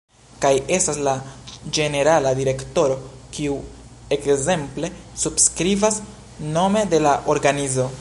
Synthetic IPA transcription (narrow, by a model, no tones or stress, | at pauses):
kaje̞staslad͡ʒe̞ne̞ɾaladiɾe̞kto̞ɾo̞kiu | e̞kze̞mple̞subskɾivas | no̞me̞de̞laʔo̞ɾɡanizo̞